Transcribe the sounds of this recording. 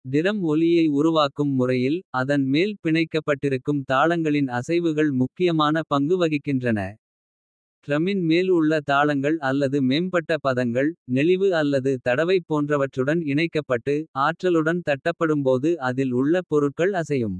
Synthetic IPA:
d̪ɪɾɐmɔlɪjɐɪʊɾʊʋaːkɯmːʊrɐjɪlɐðɐnmeːlpɪɳɐɪkːɐpːɐʈːɪɾɯkːɯmt̪aːɭɐŋɡɐɭɪnɐsɐɪʋɯɣɐɭmʊkːɪjɐmaːnɐpɐŋɡɯʋɐɣɪkːɪndrɐnɐ̰ | t̪ɾɐmɪnmeːlʊɭːɐt̪aːɭɐŋɡɐɭɐlːɐðɯmeːmpɐʈːɐpɐðɐŋɡɐɭnɛɭɪʋɯɐlːɐðɯt̪ɐɽɐʋɐɪpːoːndrɐʋɐʈrɯɽɐnɪɳɐɪkːɐpːɐʈːɯaːʈrɐlɯɽɐnt̪ɐʈːɐpːɐɽɯmpoːðɯɐðɪlʊɭːɐpɔɾɯkːɐɭɐsɐjɯm

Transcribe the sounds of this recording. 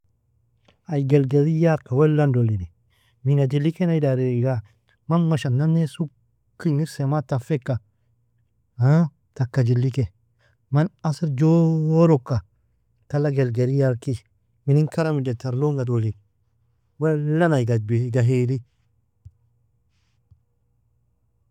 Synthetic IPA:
ajɡelɡeɾijaɾkawelːandolini | minad͡ʒilːikenajdaɾiiɡa | manmaʃanːanːesu | kːiŋiɾsematafekːa | ha | takːad͡ʒilːike | manasiɾd͡ʒoɾokːa | talaɡelɡeɾijaɾki | minikaɾamidetaɾloŋɡadolin | welːanajɡabiɡaɦeli

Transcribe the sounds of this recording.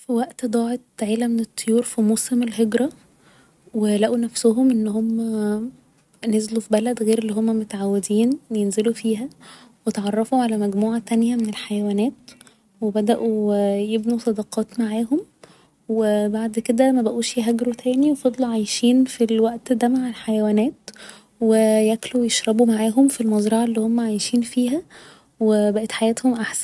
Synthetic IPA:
fiwæʔt̪d̪ˤɑːʕet̪ʕeːlæmenet̪ˤːojuːɾfimosemelɦeɡɾɑ | welæʔunæfsoɦomʔenːɦomːæ | nezlufibælæd̪ɣeːɾelːiːɦomːæmot̪ʕawːed̪iːnwejenzelufiːɦæ | wet̪ʕɑrˤːɑfuʕalæmæɡmuːʕat̪ænjæmenelħajæwæːnæːt̪ | webæd̪æʔujebnusˤɑd̪ɑqɑːt̪maʕaːɦom | webaʕd̪ked̪æmæbæʔuːʃjɦæɡɾut̪ʰæːniwefɑd̪ˤluʕajʃiːnfilwæʔt̪d̪æmaʕelħajæwæːnæːt̪ | wejæklujeʃɾˤɑbumaʕaːɦomfilmɑzˤɾˤɑʕalːiːhomːæʕajʃiːnfiːɦæ | webæʔæt̪ħajæːt̪homʔaħsæn

